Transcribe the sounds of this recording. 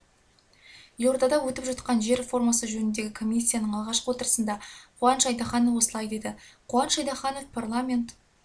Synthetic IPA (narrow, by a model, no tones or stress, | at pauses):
jord̪ɑd̪ɑwɵt̪ɪpʒɑt̪qɑnʒe̞ɾefo̞rmɑsəʒɵnɪnd̪e̞ɡʲɪkʰo̞mʲijsʲːijanəɴɑlˠʁɑʃqəwo̞t̪əɾəsənd̪ɑqʰuɑnʃɑjd̪ɑχɑnovwo̞səlˠɑjd̪e̞d̪ɪqʰuɑnʃɑjd̪ɑχɑno̞fpʰarlˠamʲe̞nt̪